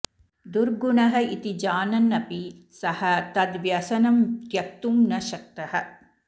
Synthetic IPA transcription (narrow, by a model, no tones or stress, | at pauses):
d̪uɾɡuɳɐɦɐ̆it̪id͡ʒaːnɐnːɐpisɐhɐt̪ɐd̪ʋjɐsɐnɐmtjɐk̚t̪umnɐʃɐk̚t̪ɐhɐ̆